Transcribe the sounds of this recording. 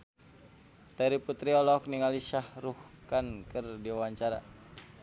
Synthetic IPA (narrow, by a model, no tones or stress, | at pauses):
t̪aɾiput̪ɾiɔlɔk̚niŋaliʃahɾuhkankɨrdiawaɲt͡ʃaɾa̰